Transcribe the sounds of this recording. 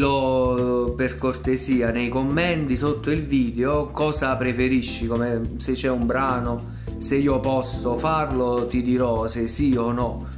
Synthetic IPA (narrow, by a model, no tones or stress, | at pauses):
lo | perkort̪esiːanejkomːɛnt̪isot̪ːoilviːd̪eokɔːzapɾefeɾiʃːikomeset͡ʃːɛumbɾaːno | seiːopɔsːofarlot̪id̪iɾɔsesiɔnɔ